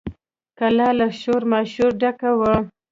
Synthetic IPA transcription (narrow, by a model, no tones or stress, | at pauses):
kalɑlaʃoɾmaʃuɾɖakawə